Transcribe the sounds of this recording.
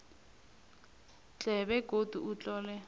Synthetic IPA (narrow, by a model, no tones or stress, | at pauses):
t͡ɬʼɛβɛɡ̥ʱod̥ʱuut͡ɬʼɔːlɛ